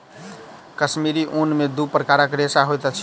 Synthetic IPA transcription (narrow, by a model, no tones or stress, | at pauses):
kəsmiɾiʔunmed̪upɾəkaɾəkɾesaɦojt̪ət͡ʃʰ